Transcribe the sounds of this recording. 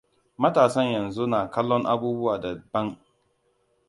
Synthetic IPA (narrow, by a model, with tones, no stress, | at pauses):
mɐ˦taː˨sɐ˦ɲjɐ˨nzu˦naː˨kɐ˦lːɔ˦ŋʔa˦buː˦bʊ˦waː˨dɐ˨bːɐ˦ŋ